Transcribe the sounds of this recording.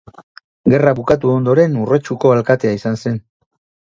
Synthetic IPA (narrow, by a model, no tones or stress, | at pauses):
ɡe̞raβukat̪̬uo̞nd̪o̞ɾe̞nure̞t͡ʃuko̞alkat̪e̞aisanse̞n